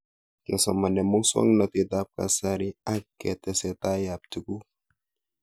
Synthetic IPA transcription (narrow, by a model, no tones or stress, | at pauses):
kasa̰manɛmɔŋswa̰ŋnat̪it̪ap̚ka̰saɾiakːɛt̪ɛsɛt̪ajap̚t̪uku